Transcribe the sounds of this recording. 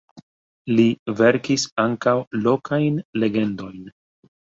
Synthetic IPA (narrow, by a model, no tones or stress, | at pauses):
live̞ɾkisaŋkawlo̞kʰajnle̞ɡe̞ndo̞jn